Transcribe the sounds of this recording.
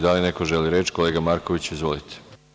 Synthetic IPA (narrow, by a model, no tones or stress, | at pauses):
d̪alineko̞ʒeliɾe̞t͡ʃko̞le̞ːɡamaɾko̞ʋit͡ɕizʋo̞lit̪ʰe̥